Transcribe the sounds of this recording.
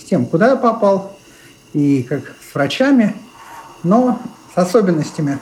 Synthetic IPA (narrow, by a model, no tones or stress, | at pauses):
sʲtʲe̞mkʊd̪ajapɐpɑlˠ | ikaksvɾɐt͡ɕamʲɪ | nosɐsobʲɪnːəsʲtʲɪmʲɪ